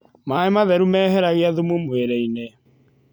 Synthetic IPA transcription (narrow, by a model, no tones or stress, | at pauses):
maemaðɛɾumɛːɦɛɾaɣeaðumumweɾɛinɛ